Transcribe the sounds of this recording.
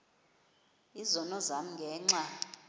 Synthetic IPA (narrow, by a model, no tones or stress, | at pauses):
izɔnɔzam̩ŋɡʱɛːŋ͡ǀa